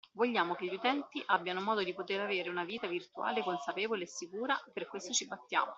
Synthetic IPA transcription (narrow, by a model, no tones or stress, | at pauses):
voʎːaːmokeʎːut̪ɛnt̪iʔabːjanomɔːd̪od̪ipot̪eɾaveːɾeunaviːt̪avirt̪ua̰ːlekonsapeːvoleːsːikuːɾaperkwest̪ot͡ʃibat̪ːja̰ːmo